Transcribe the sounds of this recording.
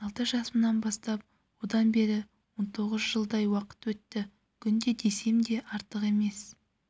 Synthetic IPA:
ɑlˠt̪əʒɑsəmənɑnbɑst̪ɑp̚ | wo̞d̪ɑnbe̞ɾɪ | wo̞nt̪ʰo̞ʁəzʒəlˠd̪ɑjwɑqə̥t̪wɵt̪ːɪ | kʲʰʏnd̪e̞d̪e̞se̞md̪e̞ʔɑɾt̪əqe̞me̞s

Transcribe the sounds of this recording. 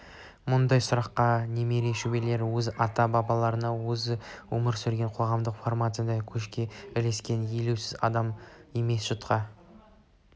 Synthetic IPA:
mʊnd̪ɑjsʊɾɑqːɑne̞me̞ɾeʃube̞le̞ɾwɵzɑt̪ɑbɑbɑlˠɑɾənɑwɵzɪwɵməɾsʏɾɡʲe̞ɴqʰo̞ʁɑmd̪əqformat̪ɨjd̪ɑkʲʰɵʃkʲe̞ɪle̞skʲe̞njeluwsɪzɑ̰d̪ɑme̞me̞sʒ̥ʊt̪qɑ

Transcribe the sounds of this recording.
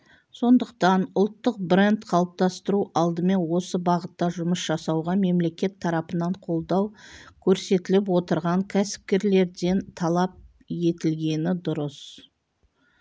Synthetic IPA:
so̞nd̪əq̚t̪ɑnʊlˠt̪ːəq̚bre̞nt̪qʰɑlˠəp̚t̪ɑst̪əɾuʔɑlˠd̪əme̞nwo̞səbɑʁət̪ːɑʒʊməsʒ̥ɑsɑwʁɑme̞mle̞kʲe̞t̪ʰːɑɾɑpənɑɴqʰo̞lˠd̪ɑwkʲʰɵɾse̞t̪ɪlɪp̬wo̞t̪əɾʁɑŋkʲʰæsɪ̥p̚kʲe̞ɾle̞ɾd̪e̞nt̪ʰɑlˠɑp̚ | je̞t̪ɪlɡʲe̞nɪd̪ʊɾəs

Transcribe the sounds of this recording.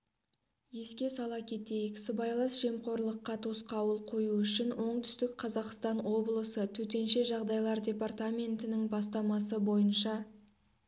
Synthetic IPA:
je̞skʲe̞sɑlˠɑkʲʰe̞t̪e̞jɪkʲɪ̥sɪbɑjlˠɑnsʒe̞mqʰo̞ɾlˠəqːɑt̪ʰosqɑwəlˠqʰo̞juʏʃɪnwʔo̞ɴt̪ʰʏ̥st̪ɪkqʰɑzɑqst̪ɑnwo̞blˠəsət̪ʰɵt̪e̞nʃe̞ʒɑʁd̪ɑjlˠɑɾdʲe̞part̪amʲe̞nt̪ɪnɪŋbɑst̪ɑmɑsəbo̞jənʃɑ

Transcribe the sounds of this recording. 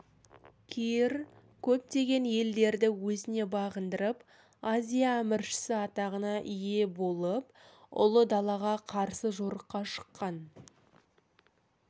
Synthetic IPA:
kʲʰijɪɾ | kʲʰɵp̚t̪e̞ɡʲe̞nje̞ld̪e̞ɾd̪ɪwɵzɪne̞bɑʁənd̪əɾəp | azʲijamɪɾʃɪ̥sɪɑt̪ɑʁənɑʔʏje̞bo̞lˠəp̚ | ʊ̰lˠəd̪ɑlˠɑʁɑqʰɑɾsəʒo̞ɾəqːɑʃə̥qːɑn

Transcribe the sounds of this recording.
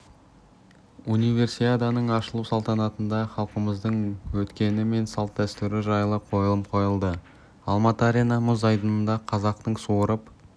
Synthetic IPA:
unijve̞rsiad̪anəɴɑʃəlˠuwsɑlˠt̪ɑnɑt̪ənd̪ɑχɑlˠqəməzd̪əɴwɵt̪kʲe̞nɪme̞nsɑlˠt̪ːæst̪ʏɾɪʒɑjlˠəqʰo̞jəlˠəpqʰo̞jəlˠd̪ə | ɑlˠmɑt̪əaɾʲenɑmʊzɑjd̪ənənd̪ɑqʰɑzɑqt̪əɴsoɾəp

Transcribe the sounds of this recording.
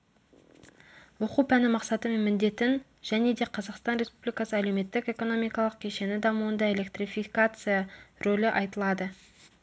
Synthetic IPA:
wo̞qupʰænɪmɑqsɑt̪əme̞nmɪnd̪e̞t̪ɪn | ʒ̥æne̞d̪e̞qʰɑzɑqst̪ɑnɾe̞spublijkɑsəælewme̞t̪ːɪke̞ko̞no̞mijkɑlˠəq̚kʲʰe̞ʃe̞nɪd̪ɑmuənd̪ɑe̞lʲe̞kt̪rifikat̪sɨjaro̞lʲɪʔɑjt̪əlˠɑd̪ə

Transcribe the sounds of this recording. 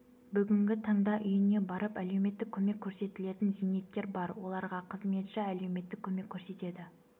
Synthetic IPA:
bʏɡʲɪŋɡʲɪt̪ʰɑɴd̪ɑʔʏjɪne̞bɑɾəpæle̞wme̞t̪ːɪkʲʰɵme̞kʲʰːɵɾse̞t̪ɪle̞t̪ɪnzine̞t̪ːe̞ɾbɑɾwo̞lˠɑɾʁɑqʰəzme̞t̪ʃɑæle̞wme̞t̪ːɪkʲʰːɵme̞kʲʰːɵɾse̞t̪e̞d̪ɪ

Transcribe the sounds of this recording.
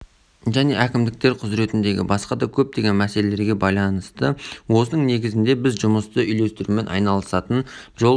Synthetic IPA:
ʒæne̞ʔækʲɪmd̪ɪk̚t̪e̞ɾqʰʊzɾe̞t̪ɪnd̪e̞ɡʲɪ̰bɑsqɑd̪ɑkʲʰɵp̚t̪e̞ɡʲe̞nmæse̞le̞le̞ɾɡʲe̞bɑjlˠɑnəst̪əwo̞sənəɴne̞ɡʲɪzɪnd̪e̞bɪzʒʊməst̪əʏjle̞st̪ɪɾume̞nʔɑ̰jnɑlˠəsɑt̪ənʒo̞

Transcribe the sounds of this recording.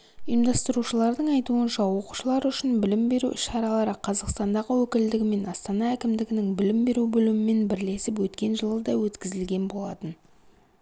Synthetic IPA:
ijəmd̪ɑst̪əɾuʃəlˠɑɾd̪əɴɑjt̪uənʃɑwo̞qu̥ʃəlˠɑɾʏʃɪnbɪlɪmbe̞ɾṵɪʃɑɾɑlˠɑɾəqʰɑzɑqst̪ɑnd̪ɑʁəwɵkʲɪld̪ɪɡʲɪme̞nɑst̪ɑnɑækʲɪmd̪ɪɡʲɪnɪŋbɪlɪmbe̞ɾubɵlmɪme̞nbɪɾle̞sɪpwɵt̪kʲe̞nʒəlˠəd̪ɑwɵt̪kʲɪzɪlɡʲe̞nbo̞lˠɑt̪ən

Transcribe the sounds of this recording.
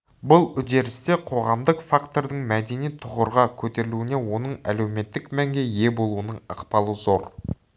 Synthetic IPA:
bʊlˠʏd̪e̞ɾɪst̪e̞qʰo̞ʁɑmd̪əqfakt̪o̞ɾd̪əɴmæd̪e̞nijt̪ʰʊʁəɾʁɑkʲʰɵt̪e̞ɾɪluɪne̞wo̞nəɴæ̰lewme̞t̪ːɪkmæŋɡʲe̞je̞bo̞lˠuənəɴə̰qpɑlˠəzo̞ɾ

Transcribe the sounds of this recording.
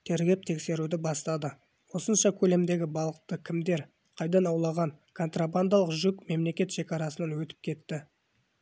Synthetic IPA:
t̪ʰeɾɡʲe̞p̚t̪ʰe̞kse̞ɾud̪ɪbɑst̪ɑd̪ə | wo̞sənʃɑkʲʰɵle̞md̪e̞ɡʲɪbɑlˠəq̚t̪əkʲʰɪmd̪e̞ɾ | qʰɑjd̪ɑnɑwlˠɑʁɑŋ | kʰo̞nt̪raband̪ɑlˠəqʒʏkme̞mle̞kʲe̞t̪ʃe̞kʲɑɾɑsənɑnwɵt̪ɪ̥p̚kʲʰe̞t̪ːɪ

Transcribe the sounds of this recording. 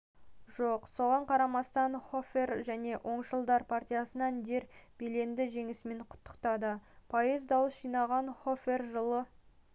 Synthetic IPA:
ʒoqso̞ʁɑɴqʰɑɾɑmɑst̪ɑnχo̞fe̞rʒæne̞ʔo̞ɴʃəlˠd̪ɑɾpʰart̪ʲijasənɑnd̪e̞ɾb̥e̞le̞nd̪ɪʒe̞ŋɪsme̞ɴqʰʊ̥t̪ːə̥qt̪ɑd̪əpʰɑjəzd̪ɑwəsʒijnɑʁɑnχo̞fe̞rʒəlˠə

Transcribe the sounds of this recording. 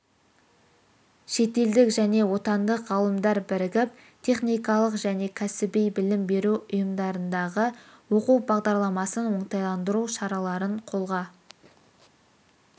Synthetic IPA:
ʃe̞t̪e̞ld̪ɪkʒæne̞wo̞t̪ɑnd̪əqʁɑlˠəmd̪ɑɾbɪɾɪɡʲɪp̚ | t̪ʰe̞χnijkɑlˠəqʒæne̞kʲʰæsɪbejbɪlɪmbe̞ɾuʊjəmd̪ɑɾənd̪ɑʁəwo̞quwbɑʁd̪ɑɾlˠɑmɑsənwo̞ɴt̪ɑjlˠɑnd̪əɾuʃɑɾɑlˠɑɾəɴqʰo̞lˠʁɑ

